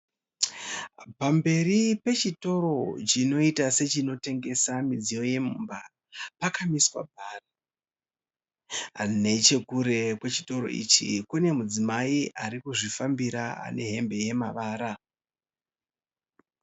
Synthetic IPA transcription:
pambe̞ɾipe̞t͡ʃito̞ɾo̞t͡ʃino̞itase̞t͡ʃino̞te̞ŋɡe̞samid͡zijo̞je̞mumba | pakamiswa̰bʱaːra | ne̞t͡ʃe̞kuɾe̞kwe̞t͡ʃi̥to̞ɾo̞̰ʔḭt͡ʃḭkune̞mud͡zimaiʔaɾikuʐifambiɾaa̰ne̞ɦe̞mbe̞je̞maʋaːɾa

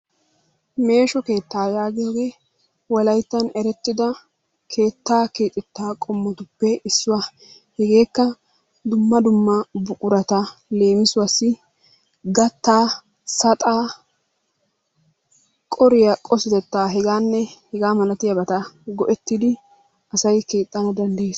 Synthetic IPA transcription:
me̞ːʃɔke̞ːt̪ːaːjaːɡɪjoːɡe̞ː | wɐlɐjt̪ːɐnɛɾɛt̪ːɪd̪ɐ | kʰe̞ːt̪ːaːkiːt̪ʼɪt̪ːaːkʼɔmːɔt̪ʊpːɛɪsːʊwɐ | hɛɡe̞ːkːɐ | d̪ʊmːɐd̪ʊmːɐbʊkʼʊɾɐt̪ɐle̞ːmɪsʊwasːɪ | ɡɐt̪ːaː | sɐt̪ʼaː | kʼɔɾɪjɐkʼɔsɪt̪ɛt̪ːaːɦɛɡaːnːɛhɛɡaːmɐlɐt̪ɪjɐbɐt̪ɐɡɔʔɛt̪ːɪd̪ɪ | ʔɐsɐjkeːt̪ʼːɐnɐd̪ɐnd̪ɐjeːs

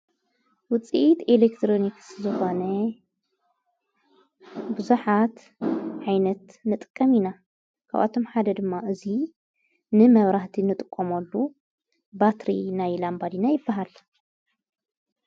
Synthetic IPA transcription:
wʊt͡sʼiʔt̪elekt̪ʰɾonikszɨxo̞nɐ | bɨzuħat̪ | ʕajnɐt̪nɨt̪ʼɨkʼːɐmina | kʰa̰βʔa̰t̪ʰo̞mħad̪ɐd̪ɨmːaʔɨzi | nɨmɐβɾaht̪ʰinɨt̪ʼɨkʼːomɐlːu | bat̪ɾḭnajlambad̪inajɪbːaɦal

